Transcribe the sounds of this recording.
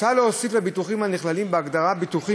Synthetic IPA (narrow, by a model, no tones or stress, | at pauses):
taloosiflebit̪uχimhaniχlalimbeaɡd̪aʁabit̪uχi